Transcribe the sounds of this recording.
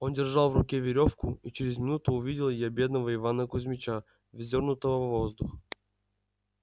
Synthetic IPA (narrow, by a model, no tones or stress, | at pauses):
o̞ndʲɪrʐalˠvrʊkʲevʲɪɾʲo̞fkʊit͡ɕɪɾʲɪzmʲɪnut̪ʊːvʲidʲɪlˠəɪjabʲe̞d̪nəvəɪvanəkʊzʲmʲɪt͡ɕa | vʲzʲo̞rnʊt̪əvəvvo̞zd̪ʊx